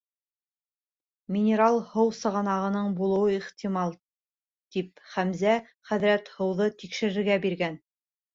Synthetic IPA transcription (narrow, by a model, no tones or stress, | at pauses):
mʲɪnʲeɾɑlˠhɤwsɤ̆ʁɑnɑʁɤ̆nɤɴbulˠɤ̆wɤiχt̪imɑlˠ | t̪ipχæmzæ | χæðɾæt̪hɤ̆wðɤt̪ikʃɘ̆ɾɘ̆ɾɡæbiɾɡæn